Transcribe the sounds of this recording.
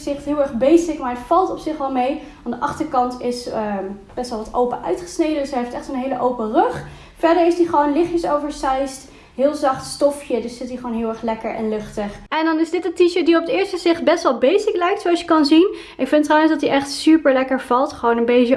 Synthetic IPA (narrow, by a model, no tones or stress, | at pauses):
z̥ɪχtɦɪːlˠɛɹχbejsɪkmaːɹətfɑlˠtɔpsɪχɑlˠmejʋɑndəʔɑχtəɹkɑntɪs | b̥ɛstʋɑlˠʋɑtowpəʔœ̰ɥtχə̥snejdəndəsɦejftɛχtsonɦejləʔowpərøχ | fɛɹdəɹɪfstdiχəʋownlɪχjəsowvəɹsɛjst | ɦɪːlˠzɑχtstɔfjədɵsːɪtdiχʋoːnɦɪːlˠɛɹχlɛkəɹʔɛ̰nlɵχtəχɛndɑnɪzdɪtəntiʃət̚diɔpədɪːɹstəzɪχt̚bɛstʋɑlˠbejsɪklɛjk̚tsowɑsjəkɑnzin | ʔɪkfɪntrɑwənzdɑtiʔɛχtsypəɹlɛkəɹv̥ɑlˠtχəʋownənbejt͡ʃə